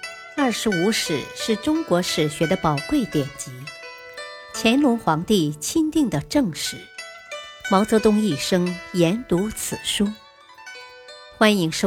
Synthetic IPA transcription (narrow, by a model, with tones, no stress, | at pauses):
ɐ˥˩ʂɻ̩˧˥u˧˥ʂɻ̩˨˩ʂɻ̩˥˩ʈ͡ʂʊ˥ŋkwɔ˧˥ʂɻ̩˨˩ɕɥɛ˧˥d̪ə˧pɑ˨˩ʊkwe˥˩ɪt̪jɛ˨˩nt͡ɕi˧˥ | t͡ɕʰjɛ˧˥nlʊ˧˥ŋxwɑ˧˥ŋt̪i˥˩t͡ɕʰi˥nt̪i˥˩ŋd̪ə˩ʈ͡ʂɤ˥˧ŋʂɻ̩˥˩˦ | mɑ˧˥ʊt͡sɤ˧˥t̪ʊ˥ŋi˥˩ʂɤ˥ŋjɛ˧˥nt̪u˧˥t͡sʰɹ̩˨˩ʂu˥ | xwa˥ni˧˥ŋʂ